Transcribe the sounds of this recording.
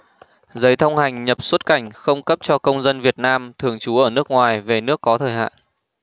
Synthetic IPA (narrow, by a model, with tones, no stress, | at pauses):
zə˨˦jt̪ʰə˧wŋ͡mha˨˩jŋ̟ɲə˨˩p̚swə˦˥t̚ka˧˩jŋ̟xə˧wŋ͡mkə˦˥p̚t͡ɕɔ˧kə˧wŋ͡mzə˧nvi˨˩ət̚naː˧mt̪ʰɨ˨˩əŋt͡ɕu˨˦ʔəː˧˩nɨ˦˥ək̚ŋwaː˨˩jve˨˩nɨ˦˥əkːɔ˨˦t̪ʰəː˧˨˩jha̰ː˧˨n